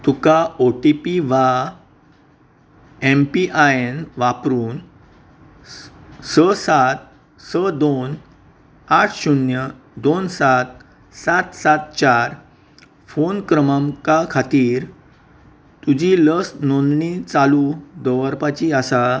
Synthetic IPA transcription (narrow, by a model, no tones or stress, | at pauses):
t̪ukaoʈipiʋa | empiʔaenʋapɾuːn | səsat̪̚ | səd̪on | aʈʰɕunjə | d̪onsat̪̚ | sat̪sat̪̚t͡ɕaɾ | fonkɾəmamkakʰat̪iːɾ | t̪ud͡ʑiləsnonɳit͡salud̪əʋəɾpat͡ɕiasa